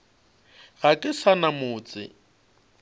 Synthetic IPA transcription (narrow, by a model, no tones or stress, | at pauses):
ɣakʼɪsanamʊːt͡sʼɪ̰